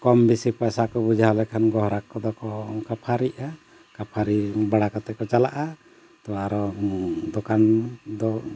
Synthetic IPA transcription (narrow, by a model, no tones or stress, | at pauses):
kɔmbisipajsakɔbud͡ʒaɦɔlɛkʰanɡɔɦɾakːɔd̪ɔkɔkapʰaɾia | kapʰaɾibaɽakɔt̪ɛkɔt͡ʃalaʔa | t̪ɔaɾɔd̪ɔkand̪ɔ